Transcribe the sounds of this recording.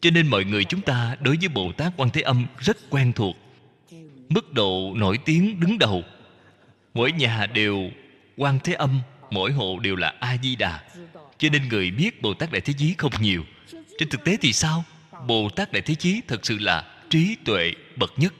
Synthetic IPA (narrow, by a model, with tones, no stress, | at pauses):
t͡ɕɔ˧ne˧nmɔ̰˧˨jŋɨ˨˩əjt͡ɕʊ˨˦ŋ͡mt̪aː˧ɗo˨˦jvəː˨˦jɓo̰˨˩t̪aː˦˥k̚kwaː˧nt̪ʰe˨˦ʔə˧mzə˦˥t̚kwɛ˧nt̪ʰu˨˩ək̚ | mɨ˦˥k̚ɗo̰˧˨no˧˩jt̪i˨˦əŋɗɨ˨˦ŋɗə˨˩w | mo̰˧˩jɲaː˨˩ɗe˨˩w | kwaː˧nt̪ʰe˨˦ʔə˧mmo̰˧˥jɦo̰˧˨ɗe˨˩wlaː˨˩ʔaː˧zi˧ɗaː˨˩t͡ɕɔ˧ne˧nŋɨ˨˩əjɓi˦˥ət̚ɓo̰˨˩t̪aː˦˥k̚ɗa̰ː˧˨jt̪ʰe˨˦t͡ɕi˨˦xə˧wŋ͡mɲi˨˩əw | t͡ɕe˧nt̪ɨ˨˩k̚t̪e˨˦t̪ʰi˨˩saː˧w | ɓo˨˩t̪aː˦˥k̚ɗa̰ː˧˨jt̪ʰe˨˦t͡ɕi˨˦t̪ʰə˨˩t̚sɨ̰˧˨la̰ː˨˩ | t͡ɕi˨˦t̪wḛ˧˨ | ɓə˨˩t̚ɲə˦˥t̚